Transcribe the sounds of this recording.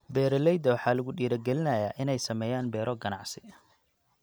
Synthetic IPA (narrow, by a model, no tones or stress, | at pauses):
bɛːɾɔlɛjd̪ɐwɑħɑːlɐɣʊɗiːɾɐɡɛlɪnɐjaːʔɪnɛjsɐmɛːjaːnbɛːɾʔɔɡɐnɑʕsɪ̥